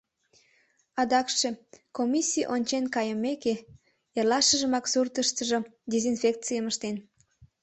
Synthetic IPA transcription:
ɑd̪ɑkʃekomʲisʲijʔonʲt͡ɕenkɑjəmeke | erlɑʃəʒəmɑksurt̪əʃt̪əʒod̪ezinfʲek̚t͡sijəməʃt̪en

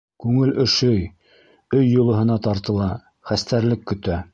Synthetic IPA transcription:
kʉŋɘlʔɵ̆ʃɵj | ɵjːŏlˠɤ̆ɦɤ̆nɑt̪ɑɾt̪ɤ̆lˠɑ | χæst̪æɾlɘkːɵ̆t̪æ

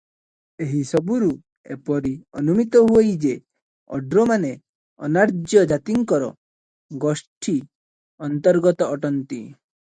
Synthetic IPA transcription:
eɦisɔbuɾu | ḛpɔɾiɔ̰numit̪ɔɦujd͡ʒe | ɔ̰ɖɾɔmane | ɔ̰naɾd͡ʒjɔd͡ʒat̪iŋkɔɾɔ̰ | ɡɔsʈʰi | ɔnt̪ɔɾɡɔt̪ɔːʈɔnt̪i

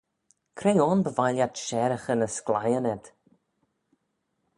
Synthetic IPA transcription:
kʰɾejɔnbəvaljat̪ʃɛɾəxənəsklajənɛd̪̥

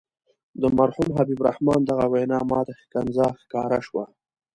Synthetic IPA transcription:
d̪əmaɾhumɦabibɾa̰hmɑːnd̪aɣawajnɑːmɑːd̪axi̥kanzɑːxkɑːɾaʃwa

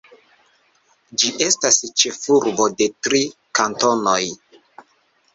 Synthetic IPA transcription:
d͡ʒiʔe̞stast͡ʃe̞fuɾbo̞de̞tɾikanto̞no̞j

